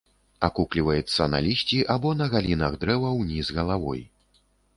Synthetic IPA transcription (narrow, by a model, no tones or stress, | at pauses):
akuklʲivɐjɛt̪sːɐna̰lʲisʲt͡sʲiʔabɔnɐɣalʲinɐɣd̪ɾɛvɐwnʲizɣɐlˠavɔ̰j